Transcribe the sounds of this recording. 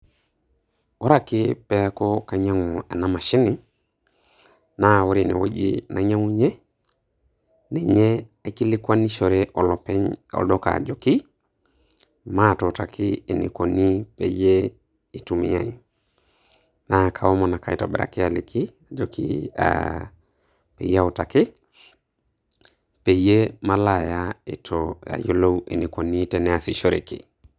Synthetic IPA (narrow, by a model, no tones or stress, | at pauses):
woɾakipekokaɲaŋuenamaʃini | nawuɾinḛwoɟḭnaɲaŋuɲe | neɲeakilikwanːiʃoɾeʔolopeɲo̰doka̰ɟoki | matotakiinḭkonipeje | itumḭjai | nakʰawomonakaitobeɾa̰kialikiad͡ʒokḭa̰ | pḛjautaki | pejemalajaitoa̰jolowḛnikoniteneasiʃoɾḛkḭ